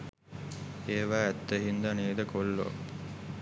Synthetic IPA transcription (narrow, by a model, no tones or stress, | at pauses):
eːʋæːæt̪ːəɦind̪anied̪əkolːo̰